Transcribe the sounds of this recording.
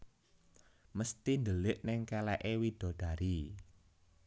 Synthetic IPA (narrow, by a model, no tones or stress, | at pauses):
məst̪ind̪əlɪʔnɪŋkalɛʔewid̪̥ɔ̤ɖ̥ä̤ɾi